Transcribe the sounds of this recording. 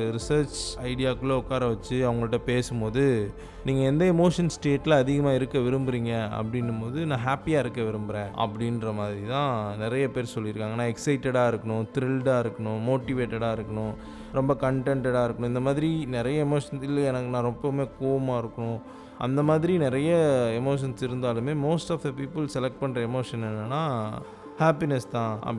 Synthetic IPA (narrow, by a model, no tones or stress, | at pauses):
ɾɪsɐːɾt͡ʃɐɪɽɪjaːkːɯlɐʊkːaːɾɐʋɐt͡ʃːɯɐʋɐŋɡɐɭʈːɐpeːsɯmpoːðɯ | niːŋɡɐɛnd̪ɐɛmoːʂɐnsʈeːʈːɪlɐɐðɪɣɐmaːɪɾɯkːɐʋɪɾɯmbɯɾiːŋɡɐɐ̰pːɐɽɪnːɯmpoːðɯnãːɦaːpijaːɪɾɯkːɐʋɪɾɯmbɪɾẽːʔɐ̰pːɐɽɪnɾɐmaːðɪɾit̪ãːnɪɾɐjɐpeːɾsɔlːɪɾɯkːaːŋɡɐnːãːɛksɐɪʈːɛɽaːɪɾɯkːɐɳʊ̃t̪ɾɪlɖaːɪɾɯkːɐɳʊ̃moːʈɪʋeːʈːɐɽaːɪɾɯkːɐɳʊ̃ | ɾɔmbɐkɐɳʈɛɳʈɛɽaːɪɾɯkːɐɳʊ̃ɪnd̪ɐmaːðɪɾinɪɾɐjɐɛmoːʂɐnsɪlːɛnɐkːɯnãːɾɔmbɐmeːkoːʋɐmaːɪɾɯkːɐɳʊ̃ | ʔɐ̰nd̪ɐmaːðɪɾinɪɾɐjɐɛmoːʂ̬ɐnsɪɾɯnd̪aːlɯmeːmoːsʈaːfd̪ɐpiːpɯlsɛlɛk̚ʈ̚pɐɳɾɐɛmoːʂɐnɛnːɐnːaː | haːpɪnɛst̪ãːɐ̰